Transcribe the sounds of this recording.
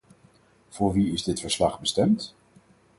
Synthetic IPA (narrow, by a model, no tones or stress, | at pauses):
v̥ʊːɹʋiɪzdɪtfəɹslɑχbəstɛmt